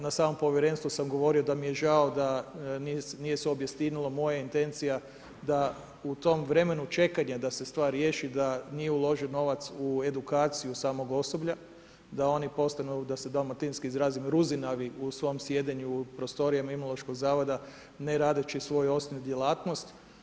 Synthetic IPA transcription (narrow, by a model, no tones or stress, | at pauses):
nasaːmo̞mpo̞ʋjeɾe̞nst̪usamɡo̞ʋo̞ɾio̞d̪amije̞ʒaod̪aninije̞seobjest̪inilomo̞jaint̪e̞nt̪sija | d̪a | ut̪o̞mʋɾe̞me̞nut͡ʃe̞kaɲad̪ase̞st̪ʋaːɾjeʃid̪anije̞ulˠo̞ʒiono̞ʋat̪sue̞d̪ukaːt̪sijusaːmo̞ɡo̞so̞bʎa | d̪ao̞nipo̞st̪anud̪ased̪almat̪inskiizɾaːzimɾuzinaʋiusʋo̞msje̞d̪eɲupɾost̪o̞ɾijamimolˠo̞ʃko̞ɡzaːʋo̞d̪a | neɾaːd̪et͡ʃisʋo̞juo̞st̪onud̪je̞laːt̪no̞st̪